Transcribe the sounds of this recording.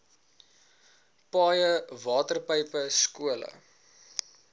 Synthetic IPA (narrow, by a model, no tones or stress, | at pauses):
pɑːjəvɑːtərpəjpəskuələ̰